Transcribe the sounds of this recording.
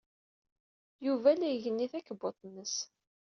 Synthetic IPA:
juvælæjəʝənːiθækːəbot̪ˤnːəs

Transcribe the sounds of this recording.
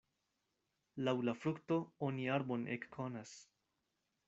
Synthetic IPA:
lawlafɾukt̪ooniaɾbonʔḛkːʰonas

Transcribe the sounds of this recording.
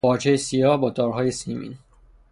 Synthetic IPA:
ɒːd͡ʒejesijɒːhbɒːd̪ɒːɾɦɒːjesimḭːn

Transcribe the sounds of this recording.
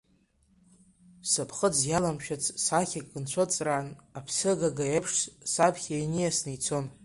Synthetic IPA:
sapʰχəd͡zjalamʃᶣat͡sʰʼsaχʲakʼːɨnt͡ɕʷʰot͡sʼranapʰsɨɡaɡajapʰʂssapʰχʲajnijasnejt͡sʰo̞n

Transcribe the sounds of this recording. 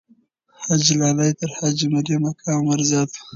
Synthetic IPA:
had͡ʒlɑːlajt̪əɾhad͡ʒmaɾemakʰɑːmwaɾzɑːt̪

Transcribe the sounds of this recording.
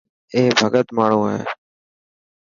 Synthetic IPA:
eːbʱəɡət̪maːɳ̤õːɦḛː

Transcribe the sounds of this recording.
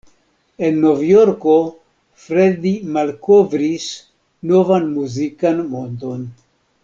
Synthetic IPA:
e̞nːo̞vjo̞ɾko̞ | fɾedimalkovɾis | no̞vanmuzikanmondo̞n

